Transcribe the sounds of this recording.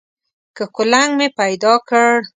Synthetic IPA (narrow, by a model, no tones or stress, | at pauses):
kəkʊlaŋɡmepajd̪ɑkəɽ